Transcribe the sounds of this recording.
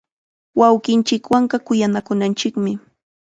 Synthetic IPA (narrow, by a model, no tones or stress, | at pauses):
wawkɪnt͡ʃɪkwaɴɢɑkʊjanakʊnant͡ʃɪkmɪ